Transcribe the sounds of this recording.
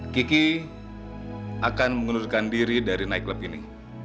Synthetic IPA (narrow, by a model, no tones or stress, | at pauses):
kiki | akanməŋunurkandiɾidaɾinaikləpinḭ